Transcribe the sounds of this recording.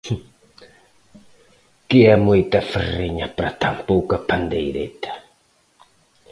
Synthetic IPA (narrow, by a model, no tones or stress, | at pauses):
kɪɛmujt̪ɐfəriɲɐpɾɐ̰t̪ampowkɐpand̪ejɾḛt̪ɐ̥